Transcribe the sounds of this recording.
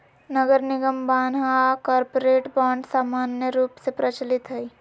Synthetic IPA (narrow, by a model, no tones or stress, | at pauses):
nəɡəɾnɪɡəmbaːnɦakɔːɾpoɾeːʈbãːɳɖsaːmaːnjəɾuːpsepɾət͡ʃəlɪt̪ɦɐi